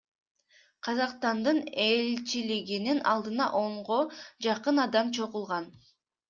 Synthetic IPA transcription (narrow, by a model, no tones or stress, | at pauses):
qʰɑzɑqst̪ɑnd̪ɯnelt͡ʃiliɡininɑlˠd̪ɯnɑ̰ʔo̞ɴʁo̞d͡ʒɑqɯnɑd̪ɑmt͡ʃʰo̞ʁulˠʁɑn